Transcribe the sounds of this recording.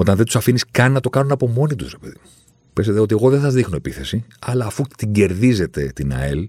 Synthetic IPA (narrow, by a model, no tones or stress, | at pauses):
o̞t̪ɐnðet̪u̥sɐfiniskɐnːɐt̪o̞kɐnunɐpo̞mo̞nit̪uzɾepe̞ðimu | peset̪eo̞t̪ie̞ɣo̞ðesɐzðixno̞epiθe̞siɐlɐːfut̪iɲɟe̞ɾðize̞t̪e̞t̪inɐ̰el